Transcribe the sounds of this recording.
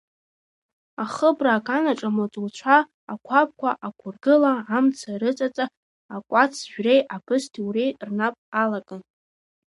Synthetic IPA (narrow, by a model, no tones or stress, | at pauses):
aχəbraːkʰʼanaʈ͡ʂʼamot͡sʼult͡ɕʷʰa | akʷʰap̚kʷʰaʔakʷʰʊrɡɨlaamt͡sʰaɾɨt͡sʼat͡sʼa | akʷʼat͡sʰʒᶣrejʔapʰɨstʰiwrejrnapʼalakʼan